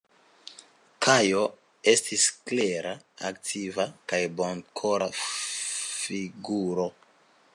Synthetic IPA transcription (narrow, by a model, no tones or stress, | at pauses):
kʰajo | estʰiskleɾa | aktʰivakajbonkʰoɾa | fiɡuɾo̞